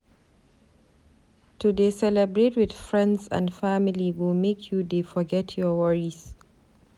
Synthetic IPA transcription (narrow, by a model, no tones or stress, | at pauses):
tudesɛlɛbɹetwɪθfɹɛ̃ndsã̰ndfamɪliwɪlmekʰjudefɔɡɛtʰjɔwaɹiz